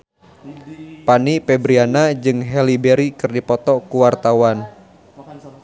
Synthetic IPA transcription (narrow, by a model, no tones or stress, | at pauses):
panipɛbɾianad͡ʒɨŋɦɛlibɛɾikɨrdipɔt̪ɔkuwart̪awan